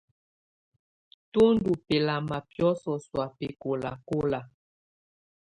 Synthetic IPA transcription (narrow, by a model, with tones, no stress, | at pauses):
to˦ndu˨pe˨la˨ma˨pjɔ˦sɔ˨swa˨pe˨ko˨la˨ko˦la˨